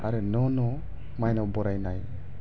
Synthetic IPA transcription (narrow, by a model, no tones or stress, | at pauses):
aɾɯnɔnɔ | majnɔwbɔɾajnaj